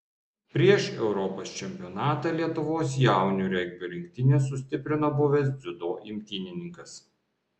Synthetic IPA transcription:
pʲɾʲiɛʃɛʊɾɔpoːst͡ʃʲɛmʲpʲɪɔnɑːt̪ɑlʲiɛt̪ʊʋoːs̬jæˑʊnʲuːɾʲɛɡʲbʲoːɾʲɪŋʲkʲt̪ʲɪnʲeːs̬ːʊsʲt̪ʲɪpʲɾʲɪnoːbʊʋʲɛs̬d̪zʲʊd̪oːʔimʲt̪ʲiːnʲɪnʲɪŋkɐs

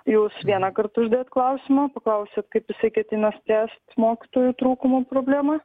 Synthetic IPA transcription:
juːsʋʲiɛnɐkɐrt̪ʊʒʲd̪ɐeːt̪klˠɐʊsʲɪmɐpɐklˠɐʊsʲeːt̪kɐɪpʋɪsɐɪkʲɛt̪ʲɪnɐst̪ʲæːst̪moːkʲɪt̪oːjuːt̪ɾuːkʊmoːpɾoːbʲlʲæːmɐ

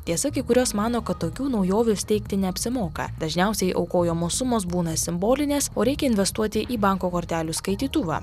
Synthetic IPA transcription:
t̪ʲiɛsɐkʲikʊɾʲoːsmɑːnoːkɐt̪ːoːkʲuːnɒʊjoːʋʲʊsʲt̪ʲɛɪkt̪ʲɪnʲɛɐpʲsʲɪmoːkɐ̰d̪̥ɐʒʲnʲɛˑʊsʲɛɪʔɐ̰ʊkoːjoːmoːsʊmoːsbuːnɐsʲɪmboːlʲɪnʲeːsoːɾʲɛɪkʲɛɪnʲʋʲɛst̪uɔt̪ʲɪʔiːbɑˑŋkoːkoːɾʲt̪ʲæːlʲuːskɐɪt̪ʲiːt̪ʊʋɑ̰ː

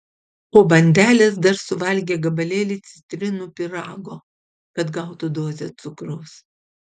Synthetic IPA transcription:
poːbɐnʲd̪ʲæːlʲeːsd̪ɐɾsʊʋɐlʲɡʲeːɡɐbɐlʲeːlʲɪt̪sʲɪ̥t̪ʲɾʲɪnuːpʲɪɾɑːɡoː | kɐt̪ɡɐˑʊt̪ud̪oːzʲet̪sʊkɾoːs

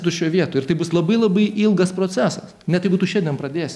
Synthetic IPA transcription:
t̪ʊʃʲoːʋʲiɛt̪oːɪɾt̪ɐɪbʊslˠɐbɐɪlˠɐbɐɪʔɪlˠɡɐspɾoːt͡sʲæːsɐsnʲɛt̪ɐɪbuːt̪ʊʃʲɛndʲiɛnpɾɐd̪ʲeːsʲ

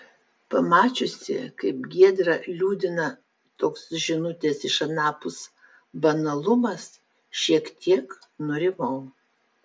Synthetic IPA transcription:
pɐmɑːt͡ʃʲʊsʲɪ̰kɐɪpɡʲiɛd̪ɾɐlʲuːd̪ʲɪnɐ | t̪oːksʒʲɪnʊt̪ʲesɪʃɐnɑːpʊs | bɐnɐlˠʊmɐs | ʃʲiɛkt̪ʲʰiɛknʊɾʲɪmɐʊ

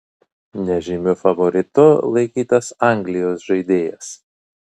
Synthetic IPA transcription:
nʲɛʒʲɪmʲʊfɐʋɔɾʲɪt̪ʊlˠɐɪkʲiːt̪ɐsɑˑŋʲɡlʲɪjoːsʒɐɪd̪ʲeːjɛs

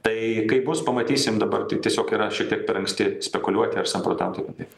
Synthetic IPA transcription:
t̪ɐɪkɐɪbʊspɐmɐt̪ʲiːsʲɪmd̪ɐbɐrt̪ɐɪt̪ʲiɛsʲoːkiːɾɐʃʲiɛktʲiɛkpʲɛɾɐŋksʲt̪ʲɪsʲpʲɛkʊlʲuɔt̪ʲɪɐɾsɐmpɾoːt̪ɐmt̪opʲɪt̪ɐɪ

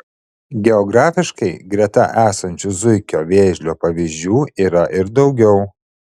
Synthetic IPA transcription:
ɡʲɛɔɡɾɑːfʲɪʃkɐɪɡɾʲɛt̪ɐ̰ʔæːsɐnʲt͡ʃʲʊzʊɪkʲoːʋʲeːʒʲlʲoːpɐʋʲiːʒʲd͡ʒʲuːiːɾɐʔɪɾd̪ɒʊɡʲɛʊ

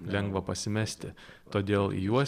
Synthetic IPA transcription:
lʲɛŋɡʋɐpɐsʲɪmʲɛsʲt̪ʲɪt̪oːd̪ʲeːlˠḭjuɔ

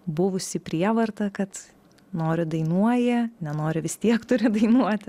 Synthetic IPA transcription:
bʊʋʊsʲɪpʲɾʲiɛʋɐrt̪ɐkɐt̪ | noːɾʲʊd̪ɐɪnuɔjɛnʲɛnoːɾʲʊʋʲɪst̪ʲiɛkt̪ʊɾʲɪd̪ɐɪnuɔt̪ʲ

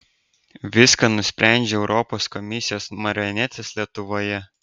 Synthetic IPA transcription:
ʋʲɪskɐnʊsʲpʲæˑnʲd͡ʒʲeɛʊɾʔɔpoːskɔmʲɪsʲɪjoːsmɐɾʲɔnʲæt̪sʲeslʲiɛt̪ʊʋoːjɛ

